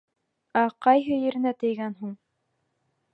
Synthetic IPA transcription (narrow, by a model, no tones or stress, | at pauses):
æqɑjɦɘjɘ̆ɾɘ̆næt̪ɘ̆jɡænɦuɴ